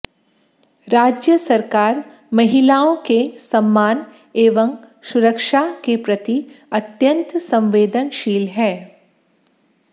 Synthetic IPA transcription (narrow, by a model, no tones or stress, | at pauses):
ɾaːd͡ʒjəsɐɾkaːɾ | mɐɦɪlaːõkesɐmːaːn | eːʋə̃m | sʊɾəkʃakepɾɐt̪iɐt̪jə̃nt̪sɐ̃mʋeːd̪ənʃiːlɦɛː